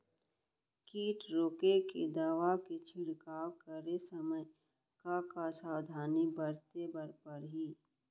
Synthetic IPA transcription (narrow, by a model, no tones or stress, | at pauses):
kiːʈɾoːkeked̪aːʋaket͡ʃʰɪɽkaːwkəɾesəmə | kakasaːwd̪ʱaːnibəɾt̪ebəɾpəɾɦiː